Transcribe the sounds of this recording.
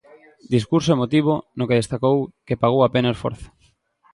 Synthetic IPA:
d̪iskuɾsoemot̪iβonokeðest̪akowkepaɣ̞owapenaosfo̰ɾθḁ

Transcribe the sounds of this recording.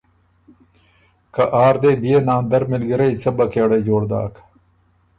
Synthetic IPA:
kɐʔaːɾd̪eːbijenãːnd̪ɐɾmilɡiɾɐit͡sɐbɐkeːɽɐd͡ʑoːɽd̪a̰ːk

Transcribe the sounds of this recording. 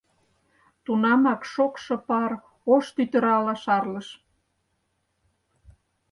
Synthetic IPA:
t̪unɑmɑkʃokʃɤ̆pɑɾ | oʃt̪yt̪ə̆ɾɑlɑʃɑrlɤ̆ʃ

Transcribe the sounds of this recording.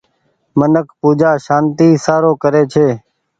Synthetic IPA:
mənəkʰpuːd͡ʒaːʃaːnt̪iːsaːɾoːkəɾeːt͡ʃʰeː

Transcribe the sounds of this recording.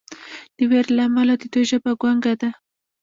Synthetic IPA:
d̪̥əweɾlaːmalad̪əd̪ojʒabaɡwaŋɡad̪a

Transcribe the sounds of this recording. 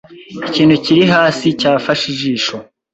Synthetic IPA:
iciːnhuciɾiɦaːsicaːfaʃiʒiːʃo

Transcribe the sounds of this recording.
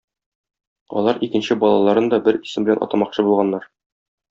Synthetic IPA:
ɒ̰lˠɑɾikɘ̆nɕɘbɒlˠɑlˠɑɾɤnd̪ɒbɘɾi̥sɘmbɘ̆læ̰nɒ̰t̪ɑmɑqɕɤbulˠʁɑnːɑɾ

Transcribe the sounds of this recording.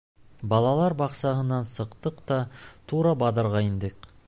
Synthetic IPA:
bɑlˠɑlˠɑɾbɑqsɑɦɤ̆nɑnsɤ̆qt̪ɤqt̪ɑt̪uɾɑbɑd̪ɤ̆ɾʁɑind̪ɘq

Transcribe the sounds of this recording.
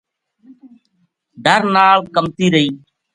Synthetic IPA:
ɖəɾnaːlkəmt̪iːɾəiː

